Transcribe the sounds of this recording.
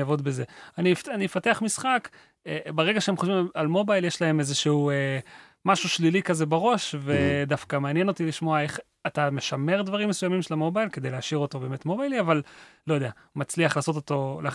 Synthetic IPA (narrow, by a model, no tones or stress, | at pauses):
avo̞d̪beze̞anifanimefateaχmisχak | beʁe̞ɡaʃeemχoʃvimalmo̞bajljeʃlae̞mezeʃeue | maʃuʃlilikazebeʁo̞ʃvedafkameanje̞no̞t̪iliʃmo̞ae̞χ | at̪ame̞ʃame̞ʁd̪vaʁimːesujamimʃelamobajlke̞d̪ejleaʃiʁo̞t̪o̞be̞ːme̞tmo̞bajliavallo̞jod̪ea | mat͡sliaχlaːso̞t̪̬ot̪o̞la